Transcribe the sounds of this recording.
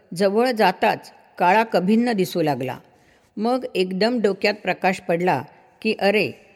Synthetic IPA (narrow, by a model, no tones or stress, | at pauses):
d͡zəʋəɭd͡zat̪at͡s | kaɭakəbʱinːəd̪isulaɡla̰ | məɡekd̪əmɖokjat̪̚pɾəkaɕpəɽla̰ | kiːʔəɾe